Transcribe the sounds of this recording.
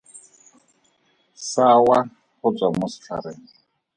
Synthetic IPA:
sawa | hʊt͡sʼamʊsɬʰa̰ɾɛŋ

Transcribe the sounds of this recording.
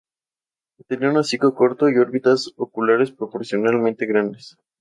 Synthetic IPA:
t̪eniaunasikoko̞ɾt̪o̞io̞ɾβit̪asokulaɾe̞spɾopo̞ɾsjo̞nalmẽnt̪e̞ɣɾand̪es

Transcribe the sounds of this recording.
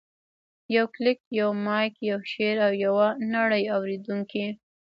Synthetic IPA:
jawklɪk̚jawmɑjkjawʃeɾawjawanaɽəjawɾed̪uŋki

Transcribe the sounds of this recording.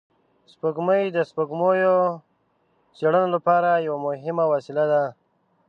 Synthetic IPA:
spəɡməjd̪əspəɡmojo | seɽənolapɑɾajawamʊɦɪmawɑsɪlad̪a

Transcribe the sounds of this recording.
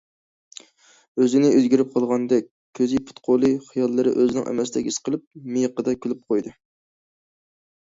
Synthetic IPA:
øzɪnɪøzɡʲiɾɪp̚qʰɑlˠʁɑnd̪ɛkʲ | kʲʰøzipʰu̥t̪qʰolˠɨχɨjɑlˠːɨɾɨ̰ʔøzɪnɪ̰ŋʔɛ̰mɛsd̪ɛkʲisqʰəlˠɨp̚mijqəd̪ɑkʲʰylyp̚qʰojd̪ɨ

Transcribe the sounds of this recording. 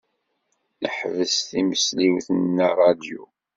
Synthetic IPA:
nəħvəsθiməsliwθənːaɾˤɑd̪ju

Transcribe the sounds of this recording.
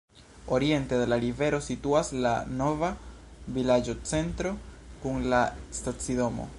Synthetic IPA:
o̞ɾie̞ntedelaɾive̞ɾo̞situaslano̞va | vilad͡ʒo̞t͡se̞ntɾo̞kuŋlastat͡sido̞mo̞̰

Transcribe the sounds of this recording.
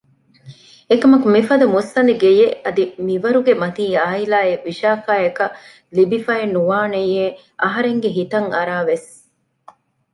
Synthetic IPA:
ekɐmɐkumifɐd̪ɐmusːɐnd̪iɡejeɐd̪imiʋɐɾuɡemɐt̪iːaːilaːeʋiʃaːkaːekɐ | libifɐenːuʋaːnejeː | ʔɐɦɐɾeŋɡeɦit̪ɐŋɐɾaːʋes

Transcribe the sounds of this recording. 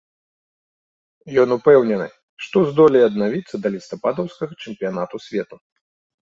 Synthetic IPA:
jɔnupɛwnʲɛnɨ̰ | ʂt̪ɔzd̪ɔlʲiɐd̪̚navʲit̪sːɐd̪ɐlʲist̪apad̪ɔwskɐɣɐt͡ʂɛmpʲijan̪at̪usʲvʲɛt̪u

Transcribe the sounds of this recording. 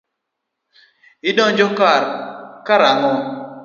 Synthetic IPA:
ɪdɔŋd͡ʒɔkaɾkaɾaŋɔ

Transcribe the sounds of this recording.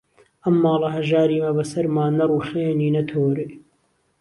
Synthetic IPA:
ɐmːɑːlˠɐɦɐʒaːɾiːmɐbɐsɐɾmaːnɐruːχeːniːnɐt̪ʰoːɾe

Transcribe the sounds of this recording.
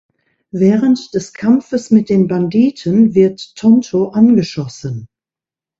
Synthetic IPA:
vɛːʁəntd̥ɛskʰamfəsmɪt̚d̥eːnbandiːtʰənvɪɐtʰːɔntʰoʔanɡəʃɔsən

